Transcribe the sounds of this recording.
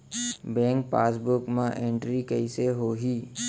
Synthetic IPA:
bɛ̃ːŋk̚paːsbʊkmãʔẽɳʈɾikəɪseɦoɦiː

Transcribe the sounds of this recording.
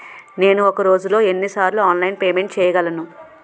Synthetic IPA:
ne̞ːnuɔkɐɾo̞ːd͡ʒulo̞ːe̞nːisaːɾluaːnlɐjnpeːme̞ɳʈ̚t͡ʃɛːjɐɡɐlɐnu

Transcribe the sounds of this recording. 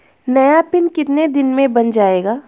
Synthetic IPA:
nɐjapɪnkɪt̪ned̪ɪnmẽbɐnd͡ʒaːeːɡaː

